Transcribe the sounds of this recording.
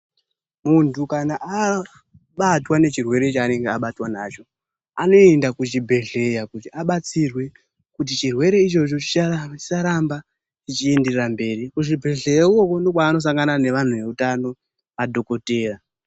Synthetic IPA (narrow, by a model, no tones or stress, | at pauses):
muntukanaʔa | ɓatwane̞t͡ʃirwe̞ɾe̞t͡ʃaːne̞ŋɡeaɓatwanat͡ʃo̞ | ano̞e̞ndakut͡ʃibʱe̞ɮe̞jakutiaɓat͡sirwe̞ | kut̬it͡ʃirwe̞ɾe̞it͡ʃo̞t͡ʃo̞t͡ʃi̥at͡ʃi̥saɾamba | t͡ʃit͡ʃie̞nderrambe̞ːɾikuʐibʱe̞ɮejaoko̞ndo̞k̬waːno̞s̬aŋɡanane̞ʋan̤uʋe̞utano̞ | ʋadʱo̞ko̞te̞ːra